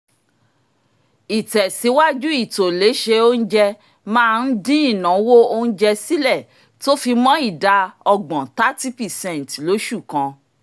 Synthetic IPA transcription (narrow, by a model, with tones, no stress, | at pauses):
i˨tɛ˨si˨˦wa˦d͡ʒu˦i˦˨to˨le˨˦ʃe˧o˦n̩˦d͡ʒɛ˧ | mãː˦˧n̩˦dĩ˦ĩ˦˨nã˨˦wo˦o˧ñ̩˦d͡ʒɛ˧si˦lɛ˦˨ | to˦fi˧mɔ̃˦i˦˨da˨˧ɔ˧ɡ͡bɔ̃˨ta˦ti˦pɛ˨sɛ̃˦˨n˨tlo˨˦ʃu˦˨kã˧